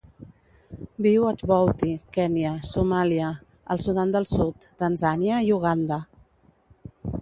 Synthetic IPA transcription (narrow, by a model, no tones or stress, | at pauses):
biwət̪βɔwt̪ikɛniəsumaliə | əlˠsuðand̪əlˠsut̪ːənzaniəiuɣ̞and̪ə